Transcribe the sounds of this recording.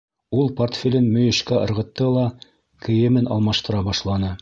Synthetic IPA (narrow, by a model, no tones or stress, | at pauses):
ulˠport̪fʲelʲɘnmɵ̆jɘ̆ʃkæʔɤ̆ɾʁɤ̆t̪ːɤlˠɑ | kɘ̆jɘ̆mɘnɑ̰lˠmɑʃt̪ɤ̆ɾɑbɑʃlˠɑnɤ